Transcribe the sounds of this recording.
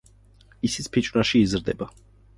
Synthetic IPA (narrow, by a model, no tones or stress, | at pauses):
isi̥sʰpʰit͡ʃʼvɾaʃiːzɾd̪ɛba